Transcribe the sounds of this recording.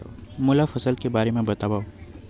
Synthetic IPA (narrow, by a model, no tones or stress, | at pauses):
mʊlafɐsəlkebaːɾemẽbɐt̪aːbaːo